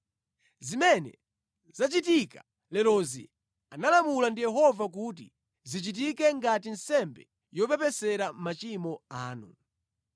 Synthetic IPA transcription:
zimɛnɛ̰ | zat͡ʃitikḁ | lɛlɔzḭ | analamulandijɛɦɔvak̬ut̬ḭ | zit͡ʃit̬ikɛŋɡat̬in̩sɛmbɛ | jɔpɛpɛsɛɾam̩mat͡ʃimɔaːnṵ

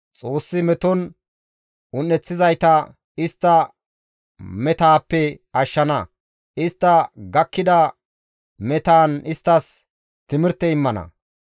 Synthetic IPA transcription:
t͡sʼo̞ːsːɪmɛt̪ɔn | ʊnːɛt͡sːɪzɐjt̪ɐ | ɪst̪ːɐ | mɛt̪aːpːɛɐʃːɐnɐ | ʔɪst̪ːɐɡɐkːɪd̪ɐ | mɛt̪aːnɪst̪ːɐs | t̪ɪmɪɾt̪ːɛɪmːɐnɐ̰

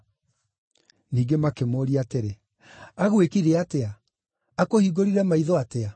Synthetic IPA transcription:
niːɡemakemoːɾiateɾe | aɣwekiɾeatea | akohiːɡoɾiɾɛmaiðɔatea

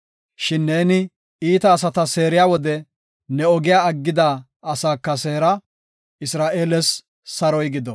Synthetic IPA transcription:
ʃɪnːe̞ːnɪ | iːt̪ɐːs̬ɐt̪ɐseːɾɪjaːwɔd̪ɛ | nɛɔɡɪjaːɐɡːɪd̪aː | ɐsaːkːɐse̞ːɾɐ | ɪsɾaːʔeːlɛs | sɐɾɔjɡɪd̪ɔ

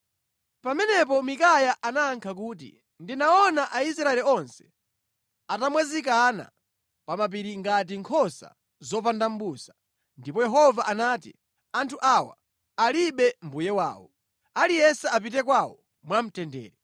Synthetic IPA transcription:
pamɛnɛpɔmikajaʔanaːŋkʰakuːt̬ḭ | ndinaɔnaʔaisɾaɛliɔnsɛ̥ | atamwɛzikana̰ | pamap̬iɾiŋɡat̬iŋkʰɔsa̰ | zɔp̬andam̩ɓuːsḁ | ndipɔjɛɦɔvaʔanaːtḭ | antʰuʔawa̰ | aliɓɛm̩bujɛwa̰ːwɔ | alijɛsaap̬it̬ɛkwawɔ | mwam̩tɛndɛ̰ːɾɛ

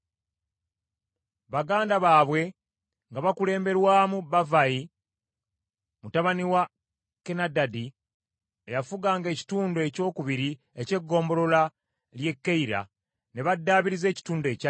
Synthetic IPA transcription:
βaɡaːndaβaːβwe̞ | ŋɡaβakule̞ːmbe̞ɾwaːmubavai | mutaβaniwa | kenadadi | ejafuɡaːŋɡe̞ːci̥tuːndoe̞ːco̞ːkuβiɾi | e̞ce̞ɡːo̞ːmbo̞lo̞la | lje̞kːeiɾa̰ | ne̞βadːaːβiɾize̞ːci̥tuːnde̞ːca

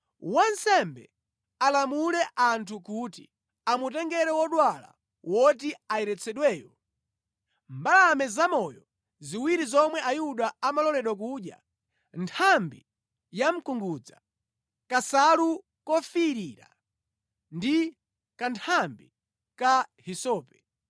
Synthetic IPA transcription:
wansɛmbɛ̰ | alamulɛʔantʰukutḭ | amutɛŋɡɛɾɛwɔɗwala̰ | wɔtiaɛɾɛt͡sʰɛɗwɛːjɔ | mbalamɛzamɔjɔ | ziwiɾizɔmwɛʔajuɗaamalɔlɛɗwak̬uːɗja̰ | ntʰambi | jam̩kuŋɡud͡za | kasalu | kɔfiɾiɾa̰ | ndi | kantʰambi | kahisɔːpɛ̥

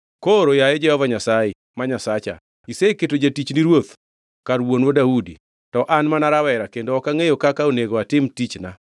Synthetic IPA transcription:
koɾojaed͡ʒɛhɔvaɲasaje | maɲasat͡ʃa̰ | iseketod͡ʒatit͡ʃniɾwot̪ | kaɾwonwodaudi | tɔʔanmanaɾawɛɾakendoːkaŋejokakaoneɡoatɪmtit͡ʃna

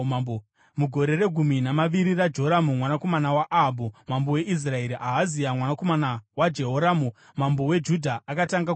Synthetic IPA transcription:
muɡʱo̞ɾe̞re̞ɡʱuminamaʋiɾirad͡ʒo̞ɾamumwanako̞manawaʔabʱumambowe̞ʔis̬rae̞ɾiʔaɦazijamwanako̞manawad͡ʒe̞ɦoɾamu | mambo̞we̞d͡ʒudʱaʔːkataŋɡa

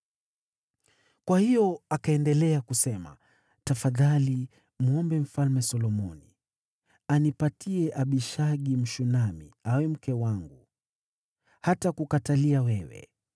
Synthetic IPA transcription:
kwahijɔakaɛndɛlɛakusɛma̰ | tafaðali | muɔmbɛm̩falmɛsɔlɔmɔni | anipatiɛʔaɓiʃaɠim̩ʃunamḭawɛm̩kɛwaŋɡu | hatakukataliawɛwɛ̰

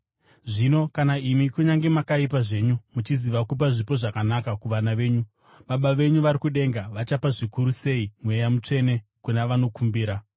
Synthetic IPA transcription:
ʐino̞kanaimikuɲaŋɡe̞makaipaʐe̞ɲumut͡ʃiziʋakup̬aʐipo̞ʐakanakakuʋanaʋe̞ːɲu | ɓaɓaʋe̞ɲuʋaɾikuɗe̞ŋɡaʋat͡ʃapaʐikuɾuse̞imwe̞jamut͡ʂe̞ne̞kunaʋano̞kumbiːɾa

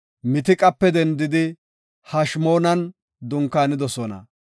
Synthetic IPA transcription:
mɪt̪ɪkʼɐpːɛd̪ɛnd̪ɪd̪ɪ | hɐʃmo̞ːnɐn | d̪ʊŋkːaːnɪd̪ɔsɔnɐ̰

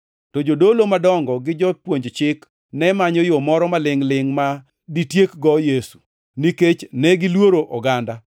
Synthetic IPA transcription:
tɔd͡ʒodolomadɔŋɡɔɡɪd͡ʒɔpwoɲd͡ʒt͡ʃɪk | nɛmaɲɔjomɔɾɔmalɪŋlɪŋma | ditjekɡɔjesu̥ | niket͡ʃnɛɡɪlwoɾoʔɔɡanda

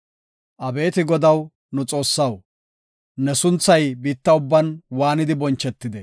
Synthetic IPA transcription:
ʔɐbe̞ːt̪ɪɡɔd̪ɐw | nʊt͡sʼo̞ːsːɐw | nɛsʊnt͡sːɐjbiːt̪ːɐʊbːɐnwaːnɪd̪ɪbɔnt͡ʃːɛt̪ːɪd̪ɛ

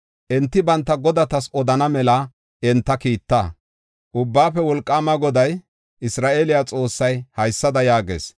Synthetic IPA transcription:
ʔɛnt̪ːɪbɐnt̪ːɐɡɔd̪ɐt̪ɐsɔd̪ɐnɐmɛlɐ | ʔɪnt̪ːɐkiːt̪ːa̰ː | ʔʊbːaːfɛwɔlkʼːaːmɐɡɔd̪ɐj | ʔɪsɾaːʔeːlɪjat͡sʼo̞ːsːɐjhɐjsːɐd̪ɐjaːɡḛːs

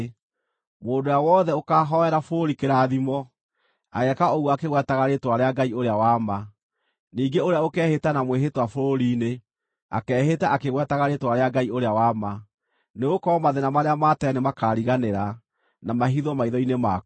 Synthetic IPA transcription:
moːndojawɔːðɛokaːɦɔɛɾafoɾoɾikeɾaːðimɔ | aɣɛkaoɣuakeɣwɛtaɣaɾetwaɾeaɡaioɾeawama | niːŋɡeoɾeaokɛːhetanamweɦetwafoɾoɾine | a̰kɛːhetaʔakeɣwɛtaɣaɾetwaɾeaɡaioɾeawama | neokɔmaðenamaɾeamatɛnemakaːɾiɣaneɾa | namaɦiðɔmaiðɔinema

